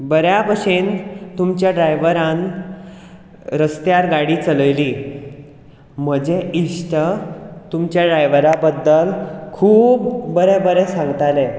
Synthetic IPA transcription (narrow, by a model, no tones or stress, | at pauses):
bəɾjabəʂent̪umt͡ɕjaɖɾajʋəɾãn | ɾəst̪jaɾɡaɽiːt͡sələjliː | m̤əd͡ʑeʔiʂʈət̪umt͡ɕjaɖɾajʋəɾabəd̪ːəlkʰuːpbəɾebəɾesãŋɡt̪ale